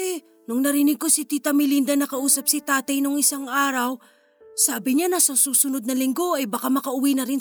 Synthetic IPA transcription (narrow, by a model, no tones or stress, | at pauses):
ɛ | nʊŋnɐɾɪnɪɡ̚ko̞sit̪it̪ɐmɪlind̪ɐnɐkɐʔuːsɐp̚sɪt̪aːt̪ɐjnoŋɪsaŋʔaːɾɐw | saːbɪɲanɐsɐsuːsʊnod̪̚nɐlɪŋɡo̞ɐjbɐkamɐkɐʔʊwinɐɾɪn